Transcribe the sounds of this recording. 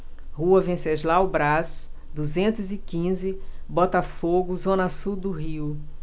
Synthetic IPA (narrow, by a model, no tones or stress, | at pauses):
huɐvẽseʒlawbɾasd̪uzẽnt̪ʊzɪkĩzɪbɔt̪ɐfoɡʊzõnɐsud̪ʊɦiw